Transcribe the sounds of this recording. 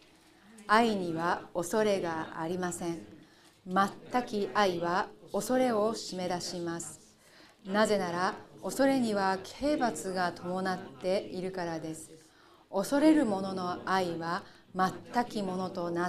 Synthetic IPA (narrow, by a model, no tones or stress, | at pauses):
aiɲ̟iβao̞so̞ɾe̞ɡaa̰ɾʲimasẽ̞ɴ | mat̪ːakʲiʔaiβao̞so̞ɾe̞o̞ɕime̞d̪aɕimasɨ̥ | naze̞naɾao̞so̞ɾe̞ɲ̟iβakʰe̞ːbat͡sɨɡat̪ʰo̞mo̞nat̪ːe̞iɾɯ̟kaɾad̪e̞sɨ̥ | o̞so̞ɾe̞ɾɯ̟mo̞no̞no̞aiβa | mat̪ːakʲimo̞no̞t̪o̞na